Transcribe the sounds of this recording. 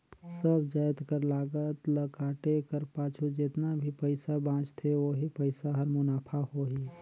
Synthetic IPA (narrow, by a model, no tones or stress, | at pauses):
səbʱd͡ʒaːjt̪kəɾlaːɡət̪ləkaːʈekəɾpaːt͡ʃʰud͡ʒɪt̪nabʱipəɪsabãːt͡ʃt̪ʰeʋoɦipəɪsaɦəɾmʊnaːpʰahoɦi